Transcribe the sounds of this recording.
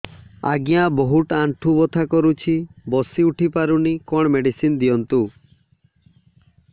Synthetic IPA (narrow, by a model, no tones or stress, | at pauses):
a̰ɡijãbɔɦuʈaɳʈʰubɔt̪ʰakɔɾut͡ʃʰibɔsiuʈʰipaɾunikɔɽ̃meɖisind̪ijɔnt̪u